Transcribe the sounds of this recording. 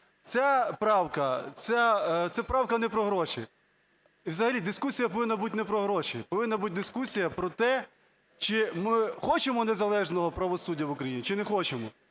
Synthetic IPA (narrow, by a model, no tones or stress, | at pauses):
t̪sʲapɾɑwkɐt̪t͡ssat̪sɛpɾɑwkɐnɛpɾɔɦɾɔʃḭ | iwzɐɦɐlʲid̪ɪskusʲijɐpɔʋɪnːɐbutʲnɛpɾɔɦɾɔʃipɔʋɪnːɐbutʲd̪ɪskusʲijɐpɾɔt̪ɛ | t͡ʃɪmɪxɔt͡ʃemɔnezɐlˠɛʒnɔɦɔpɾɐʋɔsudʲːɐʋʊkɾɐjinʲit͡ʃɪnɛxɔt͡ʃemɔ